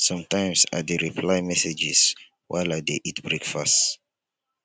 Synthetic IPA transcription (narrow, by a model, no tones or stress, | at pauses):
sɔ̃mtʰãɪ̃msa̰deɹipʰlaɪmɛsed͡ʒis | wʔa̰ɪladeʔitbɹekfast